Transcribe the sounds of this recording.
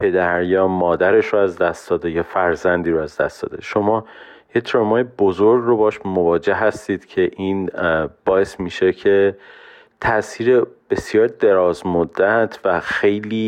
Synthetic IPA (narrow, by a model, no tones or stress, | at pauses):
pʰe̞d̪æɾjɒːmɒːd̪æɾe̞ʃɾoæzd̪æst̪d̪ɒːd̪ejɒːfæɾzænd̪iːɾoæzd̪æ̰st̪ɒ̰ːd̪e̞ʃo̞mɒː | jet̪ʰɾemɒːjebozoɾɡrobɒʃmo̞vɒːd͡ʒe̞hɦæst̪iːd̪̥cʰe̞ʔiːnb̥ɒːe̞smiːʃecʰe̞ | t̪ʰæsiːɾe̞b̥e̞sjɒːɾd̪e̞ɾɒːzmod̪ːæt̪ʰvæxe̞jliː